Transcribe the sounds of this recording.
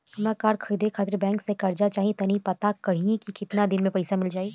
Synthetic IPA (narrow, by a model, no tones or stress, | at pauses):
ɦɐmɾakaːɾkʰɐɾiːd̪ʱekʰaːt̪ɾbɛ̃ːŋksekɐɾd͡ʒat͡ʃaːɦĩt̪ɐnipɐt̪akɐɽ̤iẽkikɪt̪nad̪ɪnmẽpɐɪsamɪld͡ʒaːeː